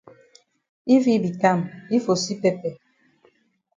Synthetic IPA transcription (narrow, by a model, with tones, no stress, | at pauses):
i˦vi˦bi˨ka˦˨mi˦fo˨si˦pɛ˦pɛ˨